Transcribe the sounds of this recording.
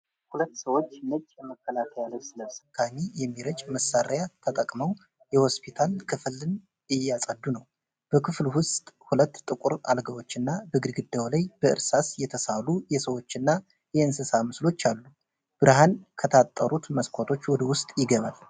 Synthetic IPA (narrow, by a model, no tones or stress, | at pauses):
hulət̪ːsəwo̞t͡ʃːmɨt͡ʃʼːjɛməkːəlakʰəjaləwsɨləsɨkʰːamijɛmːiɾət͡ʃʼməsːaɾjat̪ʰət̪ʼəkʼməw | jɛho̞spʰit̪ʰalkʰɨflɨn | jɪjːasʼəd̪ːunəw | b̥əkʰɨflwʊst̪ʼhulət̪ːt̪ʼɨkʼuɾa̰lɡəwo̞t͡ʃːɨnːabəɡɨdɡɨd̪ːawlajb̥əʔɨ̰ɾsasjɛt̪ʰəsalujɛsəwo̞t͡ʃːɨnːa | jɛɨnsɨsamɨslo̞t͡ʃːalːu | b̥ɨɾɦankʰət̪ʰat̪ʼːəɾut̪məskʰʷot̪ʰo̞t͡ʃːwɔd̪əwʊst̪ʼjɪɡəβal